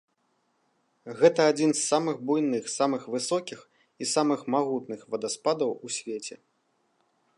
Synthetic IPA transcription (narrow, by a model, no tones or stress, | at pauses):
ɣɛt̪ɐad͡zʲinsːamɨɣbujnɨxsamɨxvɨsɔkʲix | isamɨxmaɣut̪nɨxvɐd̪aspad̪ɐwusʲvʲet͡sʲɛ̰